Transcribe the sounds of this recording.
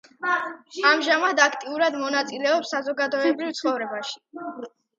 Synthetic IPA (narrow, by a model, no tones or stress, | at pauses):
amʒamad̪akʰt̪ʼiuɾad̪mɔnat̪sʼilɛɔpsːazɔɡad̪ɔɛbɾivt̪sʰχɔvɾɛbaʃi̥